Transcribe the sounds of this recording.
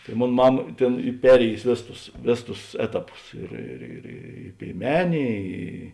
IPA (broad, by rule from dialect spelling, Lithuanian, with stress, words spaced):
tɐɪ ˈmoːn ˈmɑːmɐ ˈtʲeːn ˈiː ˈpʲæːrʲeːjʊsʲɪ ˈʋʲeːˌsʊs tʊs ˈʋʲeːˌsʊs tʊs ˈæːtɐˌpʊs ˈɪr ɪr ɪr ˈiː pʲeːɪˈmʲæːnʲeː ˈiː